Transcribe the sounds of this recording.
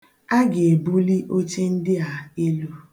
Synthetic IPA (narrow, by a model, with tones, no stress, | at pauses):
a˦ɡe˨e˨bu˦li˦ʔo˦t͡ʃe˦n̩˦dɪ˦a˨e˦lu˦